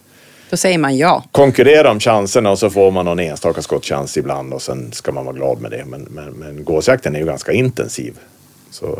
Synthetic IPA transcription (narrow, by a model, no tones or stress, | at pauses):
d̥̪ɔsɛjːəɾmanjɑːkʰɔŋkɵɾeːɾaɾɔmɕansəɳaɔsɔfoːɾmanːɔneːɡənst̪ɑːkaskɔt̪ːɕɛ̰nsɪbla̰nd̪ɔsɛnskamanvɑ̰ːɡlɑ̰ːd̪mɛ̰d̪ɛ̰mɛnmɛnmɛnɡoːsjak̚t̪ʰənɛɾjɵɡanskaɪnt̪ɛ̰nsḭːv | sɔ̰